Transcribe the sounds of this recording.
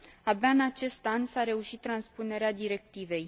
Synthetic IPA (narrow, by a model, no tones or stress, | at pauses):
abaɨnat͡ʃe̞st̪ansaɾe̞uʃit̪ːɾanspune̞ɾead̪iɾe̞k̚t̪ive̞j